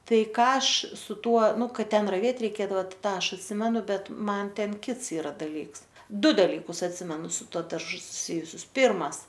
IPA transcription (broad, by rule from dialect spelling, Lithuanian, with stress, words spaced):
ˈtɐɪ ˈkɑː ˈɐʃ sʊ ˈtuɔ ˈnʊ ˈkɐt ˈtʲɛn rɐˈʋʲeːt rʲɛɪˈkʲeːdɐʋɐ tɐɪ ˈtɑː ˈɐʃ ɐtʲˈsʲɪmʲɛnʊ ˈbʲɛt ˈmɐn ˈtʲɛn ˈkʲɪts ɪˈrɐ dɐˈlʲiːks ˈdʊ dɐˈlʲiːkʊs ɐtʲˈsʲɪmʲɛnʊ sʊ ˈtuɔ dɐrˈʒʊ sʊˈsʲɪjʊsʲʊs ˈpʲɪrmɐs